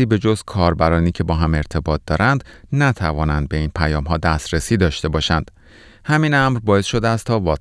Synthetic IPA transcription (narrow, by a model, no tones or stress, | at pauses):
iːbe̞d͡ʒozkʰɒːɾbæɾɒːniːcʰe̞bɒːɦæme̞ɾt̪ʰe̞bɒːt̪̚d̪̥ɒːɾʔænd̪næt̪ʰævɒːnænd̪̚be̞iːnpʰæjɒːmɦɒːd̪æst̪ɾesiːd̪ɒːʃt̪e̞bɒːʃænd̪̥ | hæminæmɾbɒːe̞sʃo̞d̪eæst̪ʰɒːvɒː